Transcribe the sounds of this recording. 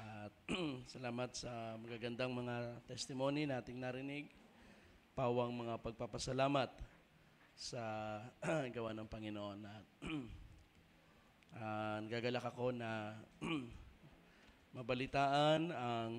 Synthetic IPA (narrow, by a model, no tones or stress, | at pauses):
ʔɐt̪̚sɐlaːmɐt̪̚sɐmɐɡaɡɐnd̪aŋmɐŋat̪ɛst̪ɪmo̞ninaːt̪ɪŋnaɾɪnɪɡ̚ | paːwɐŋmɐŋapɐɡ̚papɐsɐlaːmɐt̪̚ | sɐ | ɡɐwanɐŋpɐŋɪnoʔo̞nʔɐt̪̚ | ʔanɐɡaɡɐlakɐko̞nɐ | mɐbɐlɪt̪aːʔɐnɐŋ